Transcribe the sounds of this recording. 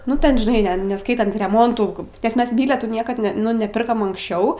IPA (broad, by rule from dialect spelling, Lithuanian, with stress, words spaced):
ˈnʊ tʲɛn ʒʲɪˈnɐɪ ˈnʲɛ nʲɛˈskɐɪtɐnt rʲɛˈmoːntuː nʲɛs ˈmʲɛs ˈbʲiːlʲɛtuː ˈnʲiɛkɐt nʲɛ ˈnʊ nʲɛˈpʲɪrkɐm ɐŋksʲˈt͡ʃʲɛʊ